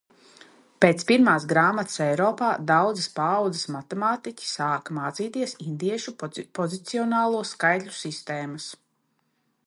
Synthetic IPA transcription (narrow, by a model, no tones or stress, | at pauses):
peːt̪spiɾmaːsɡɾaːmat̪sɛjɾɔːpaːd̪awd̪zɨspaːwd̪zɨsmat̪ɛmaːt̪ikʲi̥saːkamaːt̪siːt̪iɛsind̪iɛʃupɔzit̪siɔnaːlˠuɔskajt̪lʲusist̪eːmɐs